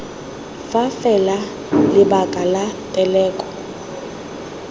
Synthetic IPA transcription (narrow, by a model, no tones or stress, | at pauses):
fafɛla | lɪbakʼalatʼɛlɛːkʼɔ̥